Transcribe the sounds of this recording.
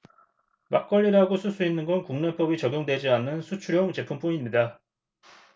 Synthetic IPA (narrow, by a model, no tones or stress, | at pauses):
mak͈ʌʎːiɾaɡosʰusʰuinːɯnɡʌnkuŋne̞p͈ʌbit͡ɕʌɡjoŋdwe̞d͡ʑianːɯnsʰut͡ɕʰuɾjʌŋt͡ɕe̞pʰump͈ʰuɲimɲida